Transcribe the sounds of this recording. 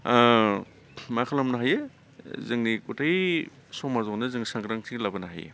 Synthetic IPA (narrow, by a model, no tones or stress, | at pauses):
makʰalamnaɦajɯ | zɯŋnikutʰaj | sɔmazɔnɯzɯŋisaŋɡɾaŋtʰiŋlabɐnaɦa̰jḛ